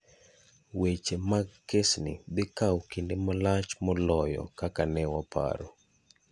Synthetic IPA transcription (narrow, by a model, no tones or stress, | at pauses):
wet͡ʃemakesnḭbɪkawkindemɔlat͡ʃmɔlɔjɔ̰kakanɛwapʰa̰ɾo̰